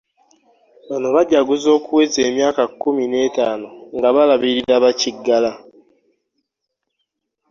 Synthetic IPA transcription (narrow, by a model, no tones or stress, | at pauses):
βanoβaɟaɡuzo̞ːkuwezeːmjaːkakːumine̞ːtaːnoŋɡaβalaβiɾiɾaβaciɡːala